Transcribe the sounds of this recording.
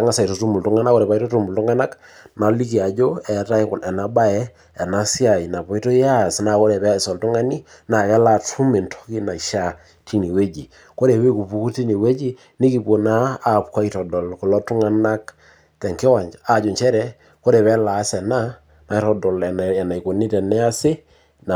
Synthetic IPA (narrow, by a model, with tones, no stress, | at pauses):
a˦ŋa˦sa˨i˨to˨tu˦mu˨ltʊ˦ŋa˦na˦ko˦ɾɛ˨pa˨i˦to˦tu˦mu˨ltʊ˦ŋa˦na˦k | na˨li˦ki˨a˨d͡ʒo˦ɛ˨ta˦ɪ˦kʊ˨nɛ˨na˨ba˦ɛ˦ | ɛ˨na˦si˦a˨i˨na˨pɔ˨i˦to˦ja˦˨sna˨ko˦ɾɛ˨pɛ˦˨sɔ˨ltʊ˦ŋa˦ni˦ | na˨kɛ˦la˨tʰu˦mɪ˨ntʰɔ̥˦ki˦na˨i˨ʃa˦ | ti˦ni˨we˦d͡ʒi˨ | ko˦ɾe˨pe˦ku˨pu˦ku˦ti˦ni˨we˦d͡ʒi˦ | nɪ˦ki˨po˨naː˦˨pka˦i˦tɔ˨dɔ˨lko˨lɔ˦tʊ˦ŋa˦na˦k | tɛ˨ŋkɪ˦wa˨ɲd͡ʒa˨d͡ʒo˨ɲt͡ʃɛ˦ɾɛ˦ | ko˦ɾɛ˨pɛ˦la˨˦sɛ˨na˦ | na˨˦ɾɔ˨dɔ˨lɛ˨ɛ˨na˨i˨ko˨nɪ˦tɛ˨nɛ˦a˦sɪ˦ | n˨